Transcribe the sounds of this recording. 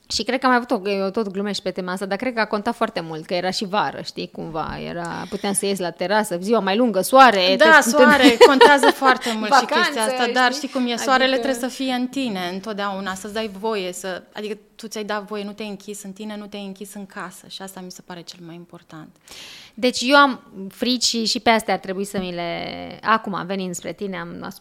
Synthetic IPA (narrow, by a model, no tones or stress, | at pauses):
ʃikɾed̪kəamajavut̪o̞ot̪o̞t̪ɡlume̞ʃpe̞t̪e̞maast̪ad̪arkɾe̞d̪̚kəakont̪at̪foart̪e̞mult̪kəje̞ɾaʃivaɾə̰ʃt̪ikuɱva̰jḛɾa̰put̪eamsəjesʲlat̪e̞ɾasəziwamajluŋɡəsuaɾe̞d̪asuaɾeko̞nt̪eazəfoart̪e̞mult̪ʃikʲe̞sijaat̪ad̪arʃt̪ikumjesoaɾe̞let̪ɾebsəfije̞ɨnt̪ine̞ɨnt̪ot̪d̪eaunasəsd̪ajvo̞je̞səa̰d̪ikət̪ut̪sʲajd̪at̪vo̞je̞nut̪ejɨŋkʲisɨnt̪ine̞nut̪ejɨŋkʲisɨŋkʰasə̥̰ʃiast̪amise̞paɾe̞t͡ʃelmajimpo̞rt̪ant̪d̪e̞t͡ʃʲjewamfɾit͡ʃiʃipeast̪jaːrt̪ɾe̞buisəmile̞akuma̰mve̞nit̪spɾe̞̰t̪ine̞ama̰s